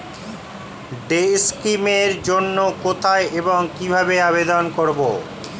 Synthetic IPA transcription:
ɖejskimeɾd͡ʑonːokot̪ʰaeʔeboŋkibʱabeaβed̪onkoɾbo̰

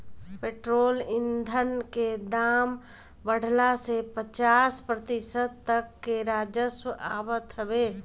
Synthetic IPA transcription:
peːʈɾoːlɪnd̪ʱənked̪aːm | bəɽ̤ʱlasepət͡ʃaːspɾət̪ɪsəd̪t̪əkːeɾaːd͡ʒəswəʔa̰ːʋət̪ɦəʋeː

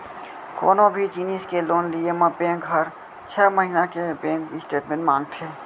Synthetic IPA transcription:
ko̰ːnõbʱid͡ʒiːniːskeloːnliemə̃bẽːŋkɦəɾ | t͡ʃʰɛːməɦinakebẽːkisʈeːʈmẽʈmãːŋɡ̚t̪ʰeː

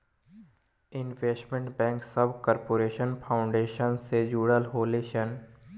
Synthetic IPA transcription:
ɪnʋeːsʈmẽɳʈbɛ̃ːŋksəbkɔːɾpoːɾeːʃənpʰaːʊ̃ɳɖeːʃənsed͡ʒuːɽəlɦoːleːʃən

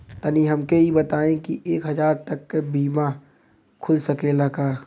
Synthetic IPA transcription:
t̪əniɦɐmkeibɐt̪aːẽkiʔeːkɦɐzaːɾt̪ɐkːebiːma | kʰʊlsɐkelɐɡaː

